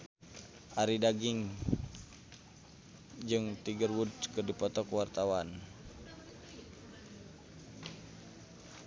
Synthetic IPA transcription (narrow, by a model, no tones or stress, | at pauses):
ʔaɾidaɡiŋ | d͡ʒɨŋt̪iɡərwudkɨrdipɔt̪ɔkuwart̪awan